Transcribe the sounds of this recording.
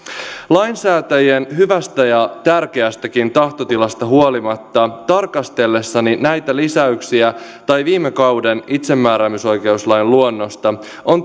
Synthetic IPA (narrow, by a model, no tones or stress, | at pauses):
lɑjnsæːt̪æjenɦyʋæst̪æjɑt̪ærk̟e̞æst̪ækint̪ɑht̪o̞t̪ilɑst̪ɑɦuolimɑt̪ːɑt̪ɑrkɑst̪e̞lːe̞sːɑninæjt̪ælisæyksiæt̪ɑjʋiːmːekɑwde̞nit̪se̞mːæːɾæmyso̞jke̞uslɑjnluonːo̞st̪ɑ | o̞n